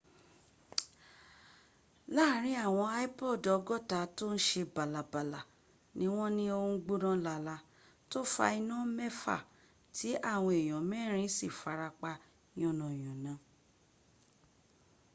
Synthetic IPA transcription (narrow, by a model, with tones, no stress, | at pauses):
laː˦˨ɾ̃ĩ˨˦a˦˨w̃ɔ̃˧a˦i˦pɔ˦˨dɔ˨˧ɡɔ˦˨ta˨˦to˦n̩˦ʃe˧ba˨la˨ba˨la˨ | nĩ˦w̃ɔ̃˦nĩ˦o˧ũ˦˧˦ɡ͡bu˦ɾ̃ã˦la˧la˧ | to˦fa̰˧i˧nũ˦mɛ˦fa̰˦˨ | tʰi˨˦a˦˨w̃ɔ̃˧e˨j̃ɔ̃˨mɛ˦˨ɾ̃ĩ˦si˦˨fa˨˧ɾa˧k͡pa˧ | j̃ɔ̃˦˨nɔ̃˨j̃ɔ̃˨nã˨˦